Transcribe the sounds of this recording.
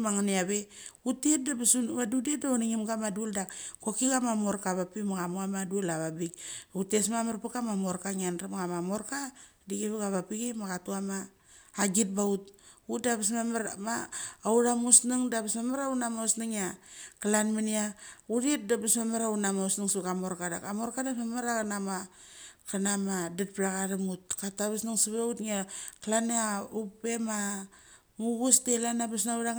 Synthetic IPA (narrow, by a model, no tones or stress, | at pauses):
maŋaniaβeutet̚dabsuadudiet̚dauniŋimɡamaduoldakkokiɡamamo̞ɾkaβapimaɡamuamaduolaβabikutesmamaɾpakamamo̞ɾkaŋanɾamaɡamamo̞ɾka | diɡeβeɡaβapiɡimaɡatuamaː | ɡit̚baut̚utdabas̬mamaɾmaːuɾamusniŋdabismamaɾaunamausniŋakalanminiauɾiet̚dabismamaɾaunamausniŋsukamoɾkada̰kamoɾkadamamaɾakanama | kanamadet̚pɾakadamut̚kataβasnaŋsiβeutŋaklaneaupema | muɡustelanabasnauɾaŋ